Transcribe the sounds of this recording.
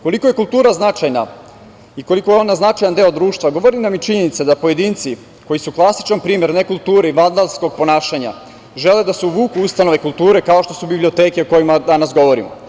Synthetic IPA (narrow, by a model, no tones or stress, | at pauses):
ko̞liko̞je̞kulˠt̪uːɾaznat͡ʃajna | iko̞likojeo̞naznat͡ʃajand̪e̞ːod̪ɾuːʃt̪ʋaɡo̞ʋo̞ɾinamit͡ʃiɲe̞nit̪sed̪apoje̞d̪iːnt̪si | ko̞jisuklˠasi̥t͡ʃanpɾiːmjeɾne̞kulˠt̪uːɾeiʋand̪alsko̞ɡ̚po̞naːʃaɲa̰ | ʒe̞le̞d̪aseuʋuːkuust̪ano̞ʋe̞kulˠt̪uːɾe̞kao̞ʃt̪o̞subiblio̞t̪eːkeoko̞jimad̪anasɡo̞ʋo̞ɾḭmo